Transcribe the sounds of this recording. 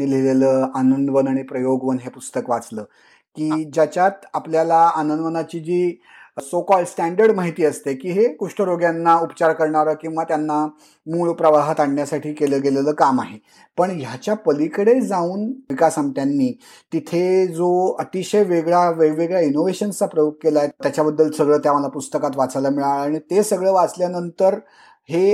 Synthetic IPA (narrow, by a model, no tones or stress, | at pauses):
ileleləːanənd̪ʋənaɽ̃ipɾəjoɡʋənɦepust̪əkʋat͡sləː | kiːd͡ʑjat͡ɕjat̪apljalaanənd̪ʋənat͡ɕiːd͡ʑiː | sokɔlɖsʈæɳɖəɾɖmaɦit̪iːəst̪ekiːɦekuʂʈəɾoɡjanːaupt͡ɕaɾkəɾɳaɾəkĩw̃ʋat̪janːa | muɭpɾəʋaɦət̪aɳɳjasaʈʰiːkeləːɡeleləːkamaɦe | pəɳjat͡ɕjapəlikəɽed͡zauːnʋikasamʈjanːiː | t̪it̪ʰed͡zoət̪iɕəjʋeɡɭjaʋeʋeɡɭjainoʋeɕənt͡sapɾəjok̚kːelaet̪jat͡ɕabəd̪ːəlsəɡɭəːt̪jaməlapust̪əkat̪ʋat͡salamiɭaɭaɽ̃it̪esəɡɭəːʋat͡sljanənt̪əɾ | he